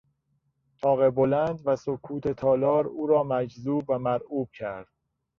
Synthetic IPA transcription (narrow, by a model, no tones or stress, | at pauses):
t̪ʰɒːɣe̞bolænd̪væsokʰuːt̪ʰe̞t̪ʰɒːlɒːɾuːɾɒːmæd͡ʒzuːbvæmæɾuːb̥̚cʰæɾd̪̥̚